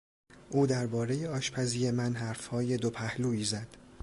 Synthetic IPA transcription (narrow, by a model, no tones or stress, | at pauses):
ʔuːd̪æɾbɒːɾe̞jeɒːʃpʰæziːje̞mænɦæːɾfhɒːje̞d̪opʰæhluːiːzæd̪̥